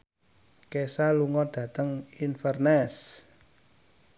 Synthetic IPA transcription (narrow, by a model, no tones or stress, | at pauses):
kesaluŋɔɖ̥ä̤t̪əŋinfərnɛs